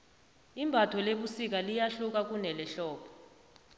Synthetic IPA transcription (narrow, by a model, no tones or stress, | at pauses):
imbʱatʰɔleɓusik̬ʼalijaɬuk̬ʼak̬unɛlɛɬɔːpʰɔ̥